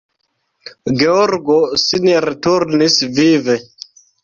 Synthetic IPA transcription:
ɡeoɾɡosinɾetuɾnisvive

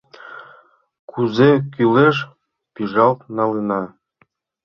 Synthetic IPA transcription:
kʰuzekyleʃ | piʒɑlt̪̚nɑlənɑ

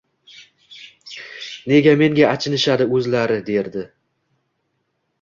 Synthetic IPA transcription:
ne̞ɡʲame̞ŋɡʲaːt͡ʃʰɪnɪʃad̪ɪɵzlaɾɪd̪e̞ɾd̪ɪ

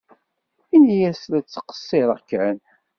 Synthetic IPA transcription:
inijæslæt͡sːqə̥sˤːeɾˤəʁkːæn

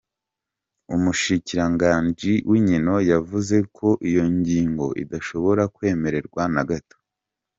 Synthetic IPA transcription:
umuʃiciɾaŋɡaːɲd͡ʒiwiɲino̞javuze̞kʰo̞ʔijo̞ɲɟiːŋɡo̞̰ʔḭdaʃo̞βo̞ɾakwe̞ːme̞ɾe̞ɾɡwanaɡato̥

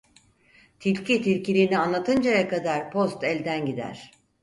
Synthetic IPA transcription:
t̪ʰilʲcit̪ʰilʲcilʲiːnianlˠat̪ʰɯnd͡ʒajakad̪aɾpʰo̞st̪ɛlʲd̪ænɟid̪æ̰ɾ̥

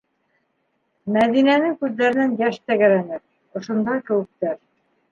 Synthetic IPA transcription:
mæðinænɘkʉðːæɾɘ̆nænjæʃt̪æɡæɾænɘɾ | ŏʃŏnd̪ɑkɘ̆wɘ̆k̚t̪æɾ

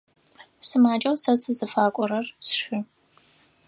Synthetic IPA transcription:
sɨmaːt͡ʃʼɐwsɐt͡sʰɨzɨfaːkʷʼɔɾɐrsʃɪ

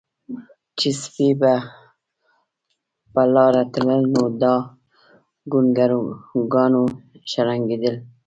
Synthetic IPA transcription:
t͡ʃispiba | palɑɾat̪ləlnod̪ɑ | ɡunɡaɾɡɑnoʃaɾaŋɡid̪əl

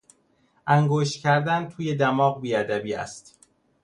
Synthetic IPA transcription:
ʔæŋɡoːʃt̪cʰæɾd̪ænt̪ʰuːje̞d̪æmɒːɣbiːæd̪æbiːæ̰st̪

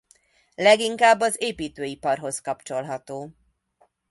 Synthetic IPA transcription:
lɛɡiŋkaːbːɒzeːpiːt̪øːipɒrɦo̞skɒpt͡ʃo̞lɦɒt̪oː

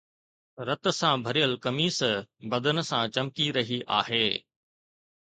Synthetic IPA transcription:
ɾɐt̪̆sãbʱɐɾijəlkɐmiːsbɐd̪ʱənɪ̆sãt͡ɕɐmkiɾɐɦiʔa̰ːɦeː

